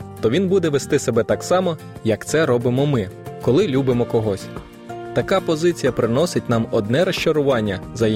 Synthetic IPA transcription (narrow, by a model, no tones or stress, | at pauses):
t̪ɔʋʲinbud̪ɛʋest̪ɪsebɛt̪ɑksɑmɔ | jɐkt̪sɛɾɔbɪmɔmɪkɔlˠɪlʲubɪmɔkɔɦɔsʲ | t̪ɐkɑpɔzɪt͡sʲijɐpɾɪnɔsɪt̚ʲnɑmɔd̪nɛɾɐʃt͡ʃɐɾʊʋɑnʲːɐzɐ